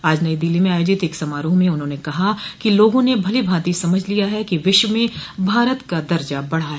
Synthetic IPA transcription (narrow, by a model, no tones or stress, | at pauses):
aːd͡ʒnɐid̪ɪlːimẽaːjoːd͡ʒɪt̪eːksɐmaːɾuɦmẽʊnɦõːnekɐɦakiloːɡõnebʱɐlibʱãːt̪isɐməd͡ʒʱlijaɦɛkiʋɪʃwəmẽbʱaːɾət̪kad̪ɐɾd͡ʒabɐɽ̤aɦɛː